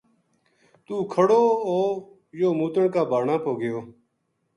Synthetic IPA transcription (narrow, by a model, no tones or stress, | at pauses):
t̪uːkʰəɽoːoː | joːmuːt̪əɳkaːbaːɳaːpoːɡɪjoː